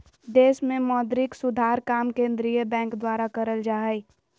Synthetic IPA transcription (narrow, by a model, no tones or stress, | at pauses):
d̪eːʃmẽmɔːd̪ɾɪksʊd̪ʱaːɾkaːmkẽːnd̪ɾijəbɛ̃ːŋkd̪waːɾakəɾəld͡ʒaːɦj